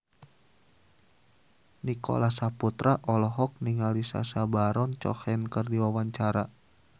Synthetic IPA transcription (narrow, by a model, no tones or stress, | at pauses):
nikɔ̰lasaput̪ɾaʔɔlɔɦɔk̚niŋalisa̰sabaɾɔnt͡ʃɔ̰hɛnkərdiwawaɲt͡ʃaɾa